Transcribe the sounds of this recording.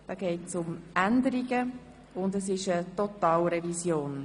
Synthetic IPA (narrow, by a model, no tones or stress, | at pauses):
d̥ɑːɡ̥ɛːtsʊmʔændəɾiɡə | ʊndəsɪʃətɔtɑːlɾɛvisjoːn